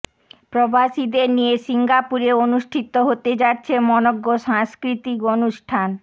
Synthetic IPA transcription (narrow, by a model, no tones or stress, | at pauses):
pɾobaʃid̪eɾnijeʃiŋɡapuɾeonuʃʈʰit̪ːoɦot̪ed͡ʑatːɕʰemɔnoɡːoʃaŋskɾit̪ikonuʃʈʰan